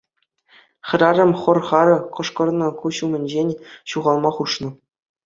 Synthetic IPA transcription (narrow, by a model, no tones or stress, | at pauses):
χʲɘ̆ɾʲɑɾʲɘ̆mʲχɤ̆rχɑɾɤ̆qɤ̆ʂkɤ̆rnɤ̆kuɕumʲɘ̆nʲd͡ʑenʲɕuʁɑlˠmɑχuʂnɤ̆